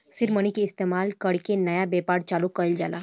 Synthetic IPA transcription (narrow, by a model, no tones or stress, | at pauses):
siɾməñikeːst̪emalkəɽkenəjabepaɽt͡ʃalukəjld͡ʒa̰la